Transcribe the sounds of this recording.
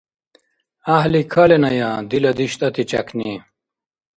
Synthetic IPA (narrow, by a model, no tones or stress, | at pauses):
ɐɦlikʰɐlenɐjaːd̪ilɐd̪iɕt̪ɐt̪it͡ɕɐ̰kni